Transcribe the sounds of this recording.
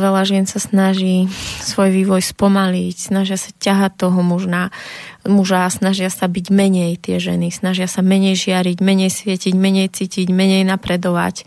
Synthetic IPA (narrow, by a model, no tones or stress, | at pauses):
ʋɛlaʒɪɛnsasnaʒiːsʋɔjʋiːʋɔjspɔmalicsnaʒɪasḁcaɦat̪ːɔɦɔmuʒnamuʒasnaʒɪasabiɟmɛɲɛjt̪ɪɛʒɛ̰nisnaʒɪasamɛɲɛjʒɪaɾiɟmɛɲɛjsʋɪɛciɟmɛɲɛjt͡siːciɟmɛɲɛjnapɾɛd̪ɔʋa̰c